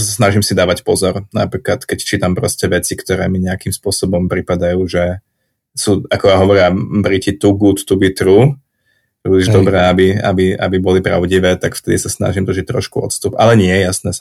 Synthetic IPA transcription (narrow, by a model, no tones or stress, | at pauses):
sasnaʒimsid̪aːʋacpɔzɔɾna̰pɾiːklat̪kɛct͡ʃiːt̪ampɾɔscɛʋɛt͡sikt̪ɔɾɛ̰ːmiɲɛakimspʊɔsɔbɔmpɾipad̪ajuːʒɛ | suːakɔjaɦɔʋɔɾɪabɾicit̪uɡut̪ːuɡit̪ɾu | pɾiːliʒd̪ɔbɾɛːabia̰bia̰bibɔlipɾa̰ʊɟiʋɛːt̪akft̪ɛd̪ḭsasna̰ʒimd̪r̩ʒic̚t̪ɾɔ̰ʃkuɔ̰t̪st̪upʔalɛɲɪɛjasnɛsa